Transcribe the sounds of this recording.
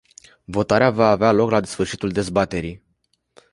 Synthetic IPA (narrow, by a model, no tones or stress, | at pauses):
vo̞t̪aɾeavaːvealo̞klad̪esfɨrʃit̪uld̪e̞zbat̪e̞ɾij